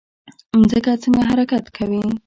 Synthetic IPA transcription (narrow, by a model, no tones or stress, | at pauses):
zəkat͡səŋɡaɦaɾakat̪kʰawi